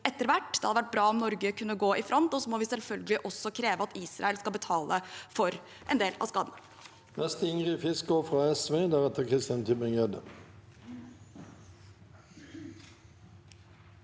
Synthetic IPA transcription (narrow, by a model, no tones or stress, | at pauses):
ɛt̪ːəɾʋæʈːd̪ɛhɑd̪əʋæʈ̚ːbɾɑːɔmnɔɾɡəkʰʉnːəɡoːʔɪfɾʔɔnt̪ɔsɔmɔːʋɪsɛlfœlɡəlɪʔɔsːɔkʰɾeːʋəɑt̪iːsɾɑ̰ɛlskɑlbət̪ʰɑːlʔəfɔɾ | ʔɛ̰nd̪eːlɑ̰skɑːd̪ən | mɛst̪ɪŋʁɪfɪsk̚ɡoːfʁɑːɛsʋeːd̪æʁɛt̪ːəkʰʁɪst̪ɪɑnt̪ʰɪbɪŋød̪ə̰